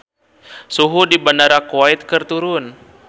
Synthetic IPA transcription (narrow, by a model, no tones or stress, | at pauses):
suɦudibanaɾakuait̪̚kərt̪uɾʊn